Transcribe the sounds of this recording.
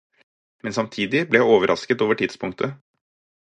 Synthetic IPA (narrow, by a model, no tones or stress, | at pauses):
mɛnsɑmt̪ʰiːd̪ɪblɛjæɪoːʋəɾʔɑ̰skət̪oːʋəʈʰɪd̪̥spʰʊŋkt̪ʰə